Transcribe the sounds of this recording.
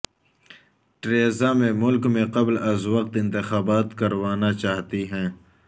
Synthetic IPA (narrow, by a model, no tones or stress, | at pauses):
ʈɾeːzaːmẽmʊlkmẽqɐblɐzwɐq̚t̪ɪ̃nt̪ɪxaːbaːt̪kɐɾwaːnat͡ʃaːɦt̪iɦɛ̃ː